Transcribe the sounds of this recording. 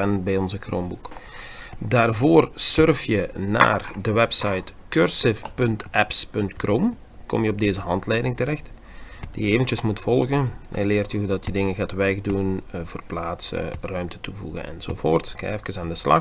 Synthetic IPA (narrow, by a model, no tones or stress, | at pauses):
ɛnbɛjɔnzəkro̰ːmbuk | daːrvoːrsørfjəna̰ːrdəwɛpsɑjtkørsɪfpɵntʔɛpspɵntkrom | kɔ̰mjəɔb̚deːzəɦɑntlɛjdɪŋtəɾɛxt | d̥ijəeːvəntjəsmutfɔlˠɣənɛ̰jleːrtjəɦudɑtjədɪŋənɣaːtʋɛɣdunvərplaːtsə̰rœɥmtə̥tuvṵɣə̰nɛ̰nz̥o̰vo̰ːrtska̰ɛfkəsaːndəslɑ̰